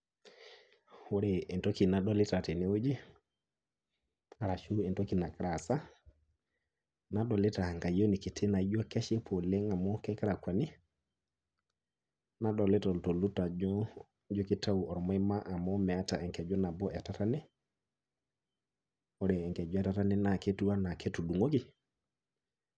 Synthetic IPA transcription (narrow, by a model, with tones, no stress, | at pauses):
wo˦ɾe˨ɛ˨nto˦ki˨na˦ɗɔ˦lɪ˦ta˨te˨ni˦wo˦d͡ʒi˦ | a˨ɾa˨ʃu˦ɛ˨nto˦ki˨na˨kɾa˨sa˦ | na˦ɗɔ˨lɪ˦ta˨ŋɡa˨jo˦ni˨ki˨tʰe˦na˨˦d͡ʒo˦kɛ˦ʃi˦pʰo˨le˦ŋa˨mɔ˦kɛ˦ka˦ɾa˨kwa˨ni˦ | na˦dɔ˨le˦tɔ˨lto˨lu˦ta˨d͡ʒɔ˦ | d͡ʒo˦kɪ˦ta˦u˨ɔ˨ɾɔ˨mɔ˨˦e˦ma˦ʔa˨mɔ˦mɛ˨˦ta˨ɛ˨ŋkɛ˨d͡ʒɔ˦na˨bɔ˦ʔɛ˨ta˦ta˦ne˦ | ɔ˦ɾe˨ɛ˨ŋkɛ˨d͡ʒɛ˦ta˦ta˦ne˦na˨ke˦tu˦a˦na˨ke˦tu˨du˨ŋo˦kɪ˨